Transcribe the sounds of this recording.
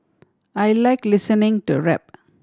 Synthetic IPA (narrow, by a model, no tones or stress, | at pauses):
ajlajklisənɪ̃ŋtṵɹɛp̚